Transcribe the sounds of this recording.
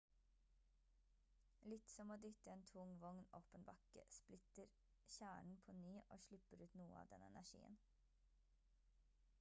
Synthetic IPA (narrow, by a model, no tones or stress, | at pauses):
lɪt̪sɔmoːd̪ʏt̪əeːnt̪ʰʊŋʋɔŋnoːpənbɑkə̰splɪt̪əɾ | çæːɳɳ̩pʰoːnyːʔo̰ːʃɭɪpəɾʉːt̪nuːəɑ̰ːʋd̪ɛnɛ̰næʂḭːə̰n